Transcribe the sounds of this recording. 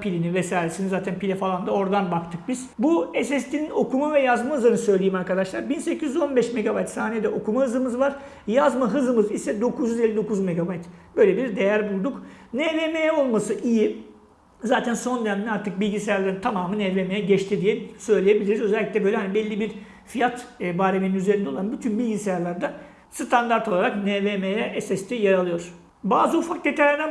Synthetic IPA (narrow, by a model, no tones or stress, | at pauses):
pʰilʲinivɛsaːjɾesinizaːt̪ʰænpʰilʲɛfalˠand̪ao̞ɾd̪anbakt̪ʰɯk̚biz̥buesɛst̪ʰʲinino̞kʰumavɛjazmaɯzɯɾɯnɯsø̞jlʲejimaɾkad̪aʃlˠaɾbinsecʰizyzo̞nbɛʃme̞ɡabajt̪saːniejd̪ɛʔo̞kumahɯzɯmɯzvaɾ̥ | jazmaɦɯzɯmɯzisɛd̪o̞kʰuzyzelʲːid̪o̞kʰuzme̞ɡabajt̪b̥ø̞jlʲebiɾd̪e̞jæɾbulˠd̪uknɛve̞mejɛo̞lˠmasɯʔiji | zaːt̪ʰænso̞nd̪enæmd̪ɛaɾt̪ʰɯk̚bilʲɟisejaɾlˠaɾɯnt̪ʰamaːmɯneːvemejɛɟɛt͡ʃt̪ʰid̪ijɛsø̞jlʲeje̞bilʲiɾizø̞zɛælʲːiclʲɛbø̞jlʲɛhanibɛlʲːibiɾ | fijat̪ːbaːɾemininyze̞ɾind̪ɛolˠanbyt̪ʰynbilʲɟisejaɾlˠaɾd̪a | sɯt̪ʰand̪aɾt̪ʰolˠaɾakneːvemejɛʔɛsɛst̪ʰijaɾalˠɯjo̞ɾ̥ | baːzɯufak̚d̪et̪ʰaɾlʲinɛ